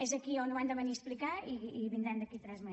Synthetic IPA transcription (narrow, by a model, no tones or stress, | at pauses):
ɛzɐkionõwand̪əβəniəsplikaiːβind̪ɾɛnd̪əkit̪ɾɛzmɛ